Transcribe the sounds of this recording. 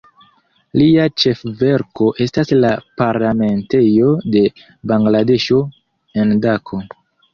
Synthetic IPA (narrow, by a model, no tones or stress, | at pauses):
liat͡ʃe̞fve̞ɾko̞ʔe̞staslapaɾlame̞nte̞jo̞de̞ | baŋɡlade̞ʃo̞ | e̞ndakʰo̞